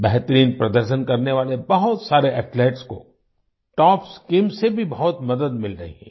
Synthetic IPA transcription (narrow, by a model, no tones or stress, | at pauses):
bɛɦt̪ɾiːnpɾɐd̪əɾʃənkɐɾneʋaːlebɐɦʊt̪saːɾeʔɛːʈleːʈsko̰ | ʈɔːpskiːmsebʱibɐɦʊt̪mɐd̪əd̪mɪlɾɐɦḭɦɛ̰̃